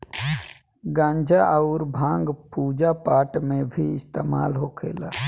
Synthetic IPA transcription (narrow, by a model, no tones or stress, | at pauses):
ɡãːɲd͡ʒʱaʔəʊɾbʱãːŋɡpuːd͡ʒapaːʈmẽbʱiɪst̪eːma̰ːlɦokʰḛːla̰ː